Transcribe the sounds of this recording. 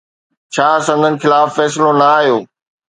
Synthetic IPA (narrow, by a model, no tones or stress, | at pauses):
t͡ɕʰaːsɐ̃nd̪ʱənɪ̆xɪlaːfːɛːs̬ɪlonɐaːɦijoː